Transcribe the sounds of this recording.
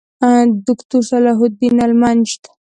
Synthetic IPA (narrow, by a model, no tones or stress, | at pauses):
d̪ʊkt̪usalaɦʊd̪ːinalmand͡ʒt̪ḁ